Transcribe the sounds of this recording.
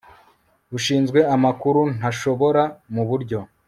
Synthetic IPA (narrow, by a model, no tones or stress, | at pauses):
uʃiːnzɡwe̞amakuɾun̥aʃo̞βo̞ɾamuβuɾɟo̞